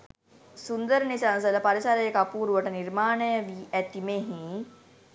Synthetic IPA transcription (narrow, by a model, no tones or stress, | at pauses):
sund̪əɾnisans̬ɐlɐpɐɾisaɾɐjekapuːɾuʋəʈɐniɾmaːɳəjəʋiɛt̪imeɦĩ